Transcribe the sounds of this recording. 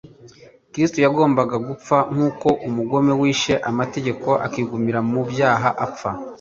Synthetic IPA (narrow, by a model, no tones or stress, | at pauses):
kɾistojaɡo̞ːmbaɡaɡup͡faŋ̥uːko̞ʔumuɡo̞me̞wiːʃe̞ʔamate̞ɟe̞ko̞ʔa̰kiːɡumiɾamubjaːɦaʔap͡fa